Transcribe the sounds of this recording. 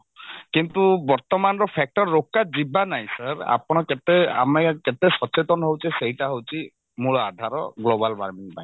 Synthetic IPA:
kint̪ubɔɾt̪ɔmanɔɾɔpʰɛk̚ʈɔɾːokːad͡ʒibanaj̃saɾa̰pɔɽ̃ɔket̪ea̰meket̪esɔt͡ʃet̪ɔnɔɦowt͡ʃʰiseɦiʈaɦowt͡ʃʰi | muɭɔad̪ʱaɾɔ̰ɡlobalbaɾmiŋpaj̃

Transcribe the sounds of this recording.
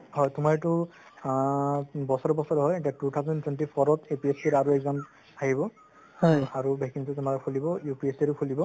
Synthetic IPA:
hɔjtʊmaɹtʊ | bɔsɔɹɔbɔsɔɹɦɔjɛtiatut̪ʰawzɔntwɛnʈipʰɔɹɔtepiesiɾaɹuɛɡzam | aɦibɔ | hɔjaɹubɛkiŋtutʊmaɾɔkʰulibɔjupiesiɹukʰulibɔ

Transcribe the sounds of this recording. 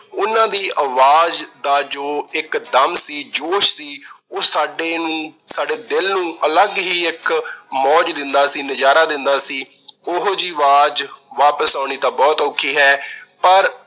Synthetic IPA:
ʊnãːd̪iːʔəʋaːd͡ʒd̪aːd͡ʒoːɪkd̪əmsiːd͡ʒoːʃsiː | oːsaːɖeːnũːsaːɖeːd̪ɪlnũːʔələɡɦiːɪkmɔːd͡ʒd̪ɪnd̪aːsiːnəd͡ʒaːɾaːd̪ɪnd̪aːsiːʊɦoːd͡ʒiːʋaːd͡ʒʋaːpəsãːñiːt̪ãːbɔːt̪oːkʰːiːɦɛːpəɾ

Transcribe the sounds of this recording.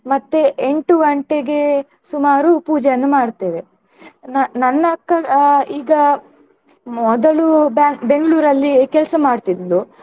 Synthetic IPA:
mɐt̪ːeʔeɳʈuɡɐɳʈeɡe̞ | sumaːɾupuːd͡ʒɛjɐnːumaːɖt̪eːɾe | nɐnɐnːɐɐkːɐiːɡɐ | mɔd̪ɐɭubbe̞ŋɡɐɭuːɾɐlːikɛlɐsɐmaːɖt̪id̪lu

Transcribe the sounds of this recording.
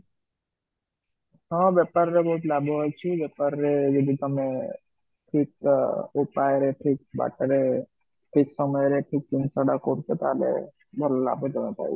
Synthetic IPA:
ɦɔ̃ʋɛpəɾːebɔɦut̪labʱoɦɔjt͡ʃʰiʋɛpəɾːed͡ʒəd̪ʱit̪əmẽ | ʈʰikupajɾeʈʰik̚ba̰ːʈəɾe | ʈʰiksəməjɾeʈʰik̚t͡ʃinsəɽakoɾt͡ʃet̪alḛ | bʱəlola̰bʱod͡ʒ̪emepa̰ːḭ

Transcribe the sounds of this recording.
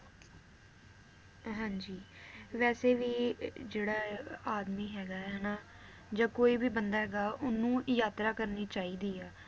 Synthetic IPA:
ɦãːɲd͡ʒiːʋɛːseːʋiːd͡ʒeːɽaːaːd̪miːɦɛːɡaːɦɛːnaː | d͡ʒãːkoːiːbiːbənd̪aːɦɛːɡaːʊnːũːjaːt̪ɾaːkəɾniːt͡ʃaːiːd̪iːaː

